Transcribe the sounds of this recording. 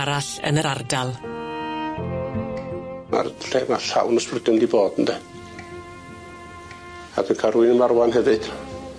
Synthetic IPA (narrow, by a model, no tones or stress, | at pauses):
ɾaɬə̰nəɾardalˠ | a̰rɬeːmaɬa̰wnɔsprɪdʊndiboːd̥əndɛ | a̰d̥ɨnkʰaɾuɨnəmarwanɦɛvɨd̥